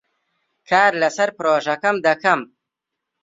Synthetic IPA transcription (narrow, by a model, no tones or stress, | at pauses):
kʰaːɾlɐsɐɾpɾoːʒɐkɐmd̪ɐkɐm